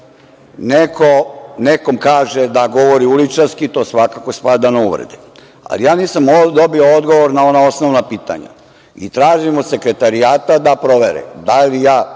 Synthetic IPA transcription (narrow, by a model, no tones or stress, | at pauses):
nekʰoneko̞mkaːʒed̪aɡo̞ʋoɾiulit͡ʃaɾskit̪o̞ːsʋakakospad̪anouʋɾḛd̪e | a̰lḭjaːniːsamd̪obiood̪ɡoʋoɾnao̞nao̞snoʋnapiːt̪a̰ɲa̰ | ḭt̪ɾaːʒimod̪se̞kɾe̞t̪aɾijaːt̪ad̪apɾo̞ʋeɾɛ̰d̪alijaː